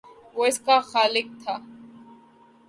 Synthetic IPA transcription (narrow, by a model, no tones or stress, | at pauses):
ʋoːɪskaxaːlɪk̚t̪ʰaː